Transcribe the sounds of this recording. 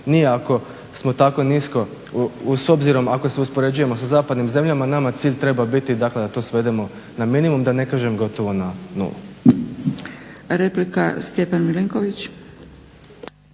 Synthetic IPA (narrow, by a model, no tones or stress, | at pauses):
nijeako̞ | smo̞t̪ako̞nisko̞ | uso̞bziɾo̞mako̞seuspo̞ɾe̞d͡ʑuje̞mo̞sazaːpad̪nimze̞mʎamanamat̪siːʎʲt̪ɾe̞babit̪id̪akle̞d̪at̪o̞sʋe̞d̪e̞mo̞ | naminimumd̪ane̞kaːʒemɡo̞t̪o̞ʋo̞nanṵlˠṵ | ɾeplika̰st̪epanmiliŋkoʋit͡ɕ